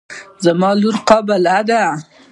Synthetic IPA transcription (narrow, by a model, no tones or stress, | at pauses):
zamɑluɾqɑbalad̪a